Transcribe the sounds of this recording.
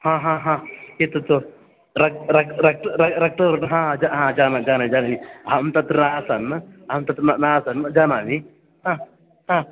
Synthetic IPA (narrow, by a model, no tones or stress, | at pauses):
hãːɦãɦãːet̪ot̪o | ɾɐk̚ɾɐkɾɐk̚ʈɾɐɾɐk̚ʈ̪ɐɾnɦãːd͡ʒaɦãːd͡ʒaːnad͡ʒaːnad͡ʒaːnaniɦɐmt̪ɐt̪ɾnaːsɐnɐmt̪ɐt̪ɾnanaːsɐnd͡ʒanaːni | ɦã | ɦãː